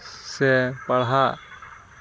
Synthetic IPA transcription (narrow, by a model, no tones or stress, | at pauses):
sɛpaɽɦa